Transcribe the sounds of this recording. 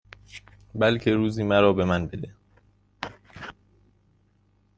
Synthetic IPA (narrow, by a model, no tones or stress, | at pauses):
bælcʰe̞ɾuːziːmæɾɒːbe̞mænbe̞d̪e